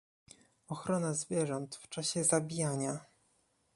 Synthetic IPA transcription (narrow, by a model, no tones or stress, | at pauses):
ɔxɾɔnazvʲjɛʐɔnt̪ft͡ʂaɕɛzabʲijaɲa